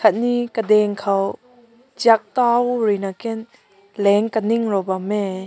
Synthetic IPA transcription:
kʰat̪̚nikədɛŋkʰaw | d͡ʒiak̚t̪awɾinakɛn | lɛŋkəniŋrɔbamːɛ

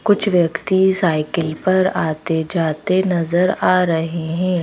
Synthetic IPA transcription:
kʊt͡ʃʰʋjɐkt̪isaːɪkəlpɐɾaːt̪ed͡ʒaːt̪enɐzəɾaːɾɐɦeɦɛ̃ː

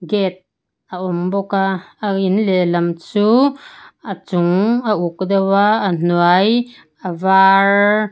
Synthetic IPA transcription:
ɡɛt̪̚ | ʔəʔɔmbɔkaːinlelamt͡suː | ət͡sʊŋəʔuk̚d̪awaːn̥uaj | əvar

